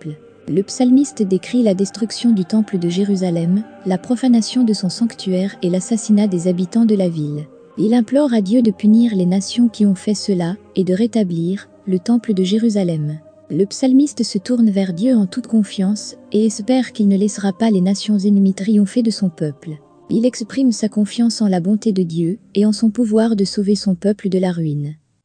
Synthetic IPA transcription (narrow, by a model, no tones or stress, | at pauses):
ləpsalmist̪d̪ekχilad̪ɛst̪χyksjɔ̃d̪yt̪ɑ̃pləd̪əʒeʁyzalɛm | lapχɔfanasjɔ̃d̪əsɔ̃sɑ̃kt̪ʰyɛʁelasasinad̪ezabit̪ɑ̃d̪əlavil | ilɛ̃plɔʁad̪jød̪əpyniʁlenasjɔ̃kʲiɔ̃fɛsəla | ed̪əʁet̪abliʁ | lət̪ɑ̃pləd̪əʒeʁyzalɛm | ləpsalmist̪əsət̪uʁnvɛʁd̪jøɑ̃t̪ut̪kɔ̃fjɑ̃seɛspɛʁkʲilnəlɛsəʁapalenasjɔ̃zenmit̪χijɔ̃fed̪əsɔ̃pœpl | ilɛkspχimsakɔ̃fjɑ̃sɑ̃labɔ̃t̪ed̪əd̪jøeɑ̃sɔ̃puvwaʁd̪əsovesɔ̃pœpləd̪əlaʁɥin